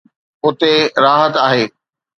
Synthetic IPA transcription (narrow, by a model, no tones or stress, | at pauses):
ʊt̪eɾaːɦət̪aːɦeː